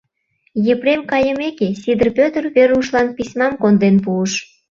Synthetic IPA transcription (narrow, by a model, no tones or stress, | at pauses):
jĕpɾemkɑjəmekesʲid̪ə̆rpʲøt̪ə̆rβeruʃlɑnpisʲmɑmkond̪enpuəʃ